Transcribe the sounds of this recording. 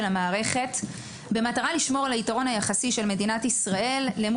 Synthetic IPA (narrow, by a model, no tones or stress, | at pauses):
lamaːʁe̞χe̞t | be̞mataʁaliʃmo̞ʁlaitaʁo̞najaχasiʃe̞lme̞dinatisʁae̞lːe̞mu